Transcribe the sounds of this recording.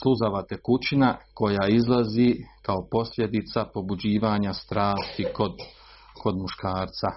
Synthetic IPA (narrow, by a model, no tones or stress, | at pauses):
slˠuzaʋat̪ekut͡ɕinako̞jaizlˠazikao̞po̞slʲʎʲje̞d̪it̪sapo̞bud͡ʑiːʋaːɲast̪ɾaːst̪ikod̪ | kʰo̞d̪muʃkaːɾt̪sa